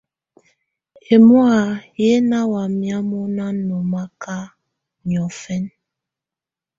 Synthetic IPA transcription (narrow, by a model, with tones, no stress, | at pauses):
e˨mwa˨je˦na˦wa˨mja˦mo˦na˦no˨ma˦ka˦ | ɲ˨ɔ˨fɛ˦n